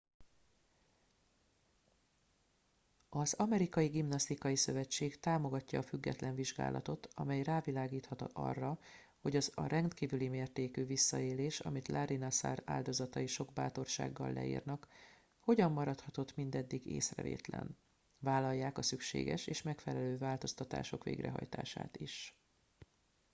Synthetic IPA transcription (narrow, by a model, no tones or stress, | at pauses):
ɒzɒmɛɾikɒjiɡimnɒst̪ikɒjisø̞vɛt͡ʃːeːɡt̪aːmo̞ɡɒcːɒːfyɡːɛ̰t̪lɛɱviʒɡa̰ːlʔɒ̰t̪o̞t̪ɒmɛjraːvilaːɡiːt̪hɒt̪ɒʔɒ̰rːɒ | ho̞ɟɒzɒɾɛnt̪kiːvylimeːrt̪eːkyːvisːɒeːleːʃɒ̰mit̪lʔaɾinɒsa̰ra̰ːld̪o̞zɒt̪ɒjiʃo̞ɡ̚baːt̪o̞rʃa̰ːɡːɒ̰lːɛ̰ḭːrnɒk | ho̞ɟɒmːɒɾɒt̪hɒt̪o̞t̪mind̪ɛd̪ːiɡḛːsrɛ̰vḛːt̪lɛ̰n | vaːlɒjːaːkɒsykʃḛːɡɛʃeːʃmɛkfɛlɛløːvaːlt̪o̞st̪ɒt̪a̰ːʃo̞kʋḛːɡrɛ̰ɦɒ̰jt̪a̰ːʃa̰ːt̪iʃ